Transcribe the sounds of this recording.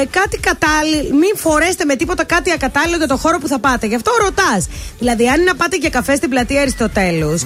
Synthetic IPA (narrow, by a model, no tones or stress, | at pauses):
kɐt̪ikɐt̪ɐlimiɱfo̞ɾe̞st̪eme̞t̪ipo̞t̪ekɐt̪iɐkɐt̪ɐlilo̞ʝɐt̪o̞xo̞ɾo̞puθɐpɐt̪e̞ʝɐft̪o̞ɾo̞t̪ɐsðilɐðiɐninɐpɐt̪ecekɐfe̞st̪iblɐt̪ieɾisi̥t̪o̞t̪e̞los